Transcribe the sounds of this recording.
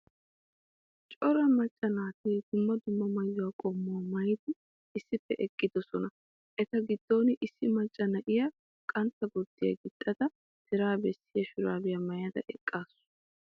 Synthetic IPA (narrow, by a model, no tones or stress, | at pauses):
t͡ʃʼɔɾɐmɐt͡ʃʼːɐnaːt̪iːd̪̥ʊmːɐd̪ʊmːɐmɐjːʊwaːkʼɔmːʊwɐmɐjt̪ɪ | ɪsːɪpːɛ̰ʔɛkʼːɪd̪ɔsɔnɐ | ʔɛt̪ɐɡɪd̪̥ːo̞ːnɪʔɪsːɪmɐt͡ʃʼːɐnɐʔɪjɐ | kʼɐnt̪ːɐɡɔd̪ːɪjɐ̰ɡɪt̪ʼːɐd̪ɐ | t̪ɪɾaːbɛsːɪjɐʃʊɾaːbɪjɐmɐjɐd̪ɐ̰ʔɛkʼːaːsʊ̥